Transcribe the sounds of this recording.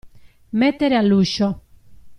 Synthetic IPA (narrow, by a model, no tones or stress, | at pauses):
met̪ːeɾealːuʃo